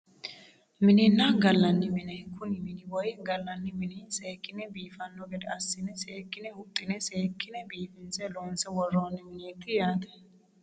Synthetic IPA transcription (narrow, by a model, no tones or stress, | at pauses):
mɪnɪnːaɡɐlːɐnːɪmɪnɛkʊnɪmɪnɪwɔjɡɐlːɐnːɪmɪnɪseːkːɪnɛbiːfɐnːɔɡɛd̪ɛɐsːɪnɛseːkːɪnɛhʊt̪ʼːɪnɛseːkːɪnɛbiːfɪnsɛloːnsɛwɔrːoːnːɪmɪneːt̪ːɪjaːt̪ɛ̥